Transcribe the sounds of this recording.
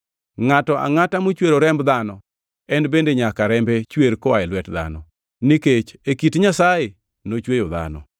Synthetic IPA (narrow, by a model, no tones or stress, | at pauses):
ŋatɔʔa̰ŋatamot͡ʃweɾoɾɛmbd̪anɔ | ɛnbendeɲakaɾɛmbet͡ʃweɾkɔwaɛlwɛtd̪a̰nɔ | niket͡ʃekitɲasaje | not͡ʃwejoða̰nɔ̰